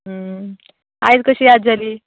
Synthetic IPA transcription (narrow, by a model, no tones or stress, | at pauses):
ɦə | ajt͡skəɕiːjad̪d͡zaliː